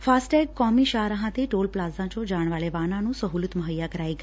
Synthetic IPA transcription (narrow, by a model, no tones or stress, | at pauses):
fasʈɛɡ̚kɔmiʃaɾaɦãt̪eʈolplazãt͡ʃod͡ʒaɳ̃ʋaɭeʋanãnũsəɦulut̪məɦəjakəɾajɡa